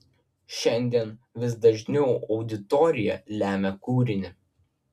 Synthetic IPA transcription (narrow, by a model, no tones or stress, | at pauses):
ʃʲɛnʲd̪ʲiɛnʋʲɪsd̪ɐʒʲnʲɛʊɒʊd̪ʲɪt̪ɔɾʲɪjɛlʲæːmʲɛkuːɾʲɪnʲɪ